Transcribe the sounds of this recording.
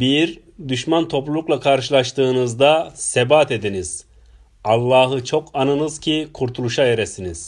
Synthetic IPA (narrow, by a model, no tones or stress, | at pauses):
biɾ | d̪yʃmant̪ʰo̞plulˠuklˠakʰaɾʃɯlˠaʃt̪ʰɯːnɯzd̪asebaːt̪e̞d̪iniz̥ | alˠːaːɦɯt͡ʃʰo̞kʰanɯnɯz̥cʰikʰuɾt̪ʰulˠuʃaeɾesiniz̥